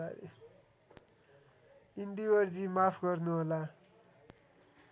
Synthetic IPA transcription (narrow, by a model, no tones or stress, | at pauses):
aɾḛ | ind̪iwʌrd͡zimapʰɡʌrnuɦola